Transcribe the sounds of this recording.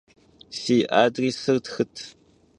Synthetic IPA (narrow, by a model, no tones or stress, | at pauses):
siːʔaːdriːsɨrtxɨtʰ